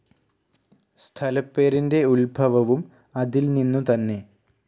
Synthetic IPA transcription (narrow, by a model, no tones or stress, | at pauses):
st̪ʰɐlɐpːe̞ːɾinde̞ulbʱɐʋɐʋum | ɐðilninːut̪ɐnːe̞